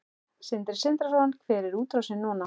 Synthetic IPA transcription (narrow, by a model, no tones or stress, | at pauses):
sɪnt̪ɪɾ̥sɪnt̪ɾarɔankʰvɛːɾɪɾuːt̪ɾawsɪnːɔːna